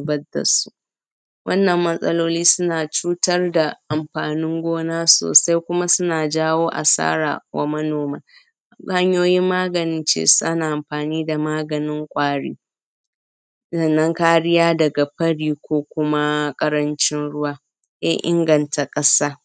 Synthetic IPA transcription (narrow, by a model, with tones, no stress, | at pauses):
bɐ˦da̰˨su̥˦ʔ | wʔɐ˦nːɐ˨mːɐ˦sʼɐ˦loː˦liː˦sʊ˦naː˨t͡ʃuː˦tɐ˦rda˨ʔa˨mɸaː˨nɪ˦ŋɡʷoː˦naː˦so̰ː˨sa˦jkʷʊ˦ma˦sʊ˦naː˨d͡ʒaː˦woː˦ʔa̰˨sa̰ː˦ɾa̰ː˨wa̰˦mɐ˦noː˨maː˨ | ha˦ɲjoː˦jɪ˦mːaː˦ɡɐ˨nɪ˦nt͡ʃḛː˦su˦ʔa˦naː˨ʔa˨mɸaː˨niː˦da˨maː˦ɡɐ˨nɪ˦ŋkʷʼaː˦ɽḭː˦ | zɐ˦nːɐ˦ŋkaː˦ɽɪ˦jaː˦dɐ˨ɡa˨ɸɐ˦ɽiː˦˨kʷoː˦kʷʊ˦ma˦kʼɐ˦ɾɐ˦nt͡ʃɪ˦nɽʊ˦waː˦ | ʔɛ̰˦ʔɪ̰˦ŋɡɐ˨nta˨kʼɐ˦saː˦